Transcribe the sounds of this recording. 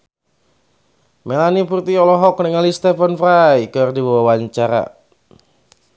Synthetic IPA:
melanipurt̪iɔlɔɦɔknəŋalist̪efənfɾajkərdibawawaɲt͡ʃaɾa̰

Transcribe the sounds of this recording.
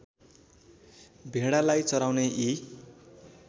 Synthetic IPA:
bʱeɽalajt͡sʌɾawneʔi

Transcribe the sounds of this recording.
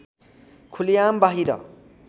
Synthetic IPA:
kʰulijambaɦiɾʌ̰

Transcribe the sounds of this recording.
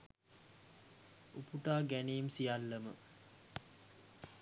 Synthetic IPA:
upuʈaːɡæniːmsijalːəmə

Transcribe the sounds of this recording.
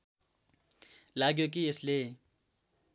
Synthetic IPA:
laːɡjok̬iesle

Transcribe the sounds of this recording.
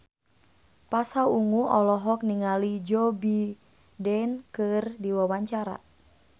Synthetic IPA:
pasauŋuʔɔlɔɦɔk̚niŋalid͡ʒɔbi | dɛnkɨrdiwawaɲt͡ʃaɾa̰

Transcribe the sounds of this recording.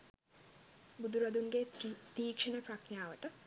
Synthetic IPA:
bud̪uɾɐd̪unɡet̪iːkʂənəpɾɐknjaːʋəʈə

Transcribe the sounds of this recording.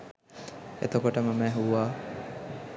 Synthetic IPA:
ḛt̪okoʈəməmɛːɦuaː

